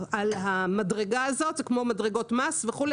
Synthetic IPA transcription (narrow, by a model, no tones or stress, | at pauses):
alhamadʁe̞ɡaːzo̞t̪zekmo̞madʁeɡo̞tmasveχule